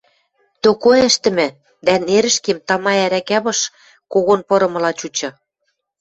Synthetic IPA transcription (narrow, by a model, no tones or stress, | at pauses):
t̪okoɘ̆ʃt̪ɘ̆mɘ̆ | d̪æneɾɘ̆ʃkemt̪ɑmɑæɾækæβɤ̆ʃ | koɣonpɤ̆ɾɤ̆mɤ̆lɑt͡ɕut͡ɕɤ̆